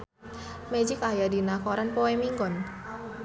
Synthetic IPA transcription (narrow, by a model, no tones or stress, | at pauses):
med͡ʒɪkajadinakɔɾanpoemiŋɡɔn